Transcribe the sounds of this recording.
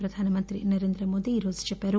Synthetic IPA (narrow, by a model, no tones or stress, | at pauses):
pɾɐd̪ʱaːnɐmɐnt̪ɾḭnɐɾend̪ɾɐmoːd̪iːɾoːzi̥t͡ʃɛpeɾu